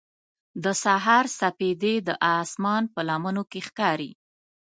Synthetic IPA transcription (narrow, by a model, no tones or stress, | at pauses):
d̪əsaɦɑɾsaped̪ed̪əʔɑsmɑnpəlamənokexkɑɾi